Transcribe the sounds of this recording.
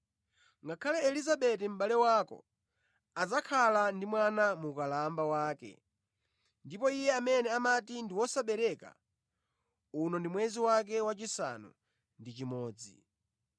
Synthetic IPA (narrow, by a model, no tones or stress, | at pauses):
ŋɡakʰalɛɛlizaɓɛtɛm̩ɓalɛwakɔ̰ | ad͡zakʰalandimwanamukalambawaːkɛ̰ | ndipɔijɛamɛnɛamatindiwɔsaɓɛɾɛka̰ | unɔndimwɛziwak̬ɛwat͡ʃisa̰nṵ | ndit͡ʃimɔːd͡zḭ